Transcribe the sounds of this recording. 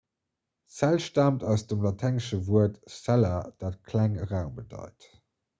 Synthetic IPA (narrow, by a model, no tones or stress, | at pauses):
sælʃtaːmtɑʊsd̥əmlɑtʰæŋəʃəvuətsælɐd̥aːt̚kʰlæŋəʁaʊmbədɑ̰ɪt